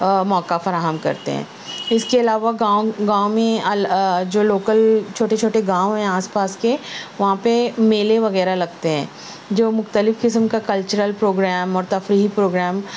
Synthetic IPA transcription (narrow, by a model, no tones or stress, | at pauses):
mɔːkafɐɾaːɦəmkɐ̰ɾt̪ḛɦɛ̰̃ː | ɪskeɐlaːʋaɡãːwɡãːwmẽɐd͡ʒoːloːkəlt͡ʃʰoːʈet͡ʃʰoːʈeɡãːwɦɛ̃aːspaːskeʋɐɦãpemeːleʋɐɣɛːɾalɐɡt̪eɦɛ̃ː | d͡ʒoːmʊxt̪əlɪfkɪsəmkakɐlt͡ʃəɾəlpɾoːɡɾɛːmɔːɾt̪ɐfɾiːɦipɾoːɡɾɛːm